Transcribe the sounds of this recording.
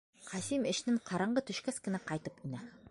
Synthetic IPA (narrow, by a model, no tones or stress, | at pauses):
qʰɑsimɘ̆ʃnɘŋqʰɑɾɑɴɢɤt̪ɵ̆ʃkæskɘ̆næqɑjt̪ɤpinæ